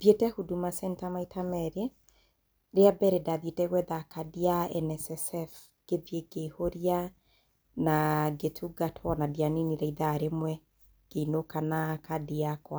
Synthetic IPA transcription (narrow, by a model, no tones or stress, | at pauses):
ðjetɛhudumasɛntamaitʰamɛɾe | ɾeabɛɾedaðjetɛɣwɛðakadiaɛnɛsɛsɛf | ɡ̥eðjeɡehoɾia | naɡetʰuɡatʰwɔnadjaniniɾɛiðaɾemwɛ | ɡ̥einokanakadiakwa